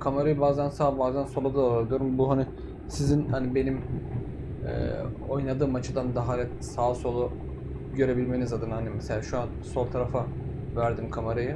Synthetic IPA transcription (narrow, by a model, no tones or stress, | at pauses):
kʰamaɾajɯbaːzænsaːbaːzænso̞lˠad̪aalad̪ijo̞ɾumbuɦani | sizinhanibe̞nim | ɛ̰o̞jnad̪ɯːmat͡ʃʰɯd̪and̪aɦaɾɛt̪̚saːso̞lˠu | ɟø̞ɾe̞bilʲme̞nizad̪ɯnhanimese̞lʲaːʃuanso̞lˠt̪ʰaɾafa | væɾd̪imkʰamaɾajɯ